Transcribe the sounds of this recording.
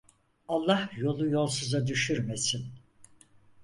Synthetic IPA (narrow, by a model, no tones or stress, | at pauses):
alˠːahjo̞lˠujo̞lˠsuzad̪yʃyɾmesin